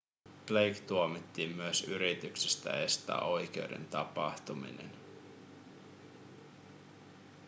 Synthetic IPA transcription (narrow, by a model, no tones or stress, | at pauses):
plejkt̪uomit̪ːiːmːyøsyɾit̪yksest̪æ̰e̞st̪æ̰ːo̞jk̟e̞ude̞̰nt̪ɑpɑ̰ht̪umḭnḛn